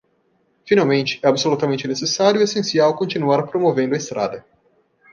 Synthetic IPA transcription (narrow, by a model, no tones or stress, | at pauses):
finawmẽnt͡ʃɪ̥ɛabsolut̪ɐmẽnt͡ʃɪnesesaɾjʊiesẽsiawkõnt͡ʃinuaɾpɾomovẽnd̪ʊɐest̪ɾa̰d̪ɐ